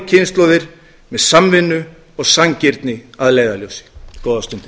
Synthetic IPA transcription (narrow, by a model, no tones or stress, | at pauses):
cʰɪnst̪lowðɪɾ̥ | mɛðsamvɪnːʏ | ɔɣsaŋcɪɾt̪nɪaðleːjðaljowsɪ̥kɔːwðast̪ʏnt̪ɪ